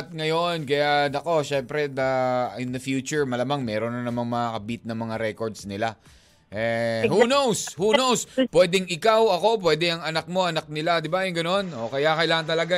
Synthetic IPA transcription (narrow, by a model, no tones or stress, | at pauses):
t̪̚ŋɐjo̞nkɐjanɐko̞ʃɛmpɾɛd̪ɐɪnd̪ɐfjuːt͡ʃʊɹmɐlamaŋmɛːɾo̞nɐnɐmaŋmɐŋakɐbit̪̚nɐŋmɐŋaɾɛkoɹd̪snɪla | ʔɛhunowshunowspwɛd̪ɛŋɪkawɐko̞pwɛːd̪ɛɐŋɐnɐk̚mo̞ʔɐnɐk̚nɪlad̪ɪbajʊŋɡɐno̞no̞kɐjakɐʔɪlaːŋɐnt̪ɐlɐɡa